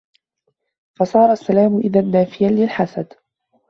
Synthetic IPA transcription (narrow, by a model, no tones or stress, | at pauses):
fɑsˤɑːɾˤɑsːalaːmʊʔɪðanːaːfɪjanlɪlħasad̪